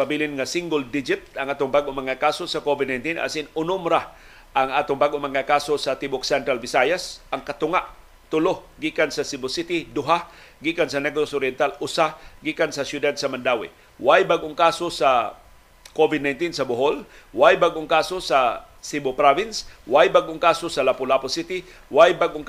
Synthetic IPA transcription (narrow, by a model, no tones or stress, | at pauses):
pabilɪnŋasɪŋɡʊld̪ɪd͡ʒɪt̪ɐŋʔaːt̪ʊŋbaɡʔomɐŋakaːsosakovɪd̪najnt̪ina̰sɪnʊnʊmɾa | ʔaŋaːt̪ʊŋbaɡʔomɐŋakaːsosɐt̪ɪbʊksɛnt̪ɾalbɪsajasʔaŋkɐt̪ʊŋaʔ | t̪ʊloɡiːkansɐsɪbʊsit̪id̪ʊɦa | ɡiːkansɐnɛɡsosʊɾjɛnt̪alʊsaɡiːkansɐsjʊd̪ad̪̚sɐmand̪aːwɪ̰ | wajbaɡʔoŋkaːsosa | kovɪd̪̚najnt̪insɐbʊɦolwajbaɡʔoŋkaːsosasibopɾavɪnswajbaɡʔoŋkaːsosɐlapʊlaposit̪ɪ | wajbaɡʔoŋ